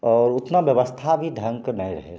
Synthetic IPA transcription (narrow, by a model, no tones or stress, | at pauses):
ɔːɾʊt̪nabjəʋəst̪ʰabʱid̪ʱə̃ŋknɐɦĩɾə̰ɦe